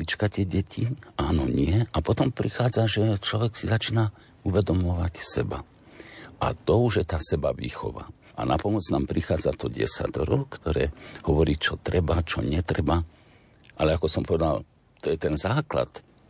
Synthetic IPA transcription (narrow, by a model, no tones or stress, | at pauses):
it͡ʃkat̪ɪɛɟɛcʰiaːnɔɲɪɛapɔt̪ɔmpɾixaːd͡zaʒɛt͡ʃlɔʋɛksizat͡ʃiːna | uʋɛd̪ɔmɔʋacsɛba̰ | a̰t̪ɔuʒjɛt̪aːsɛbaʋḭxɔ̰ʋa̰ː | ʔa̰napɔmɔd͡znaːmpɾixaːd͡zat̪ɔɟɛ̰sa̰t̪ɔɾɔkt̪ɔɾɛːhɔʋɔɾiːt͡ʃɔt̪ɾɛbat͡ʃɔɲɛt̪ɾɛba | ʔalɛakɔsɔmpɔʋɛd̪al | t̪ɔjɛt̪ɛnzaːkla̰t̪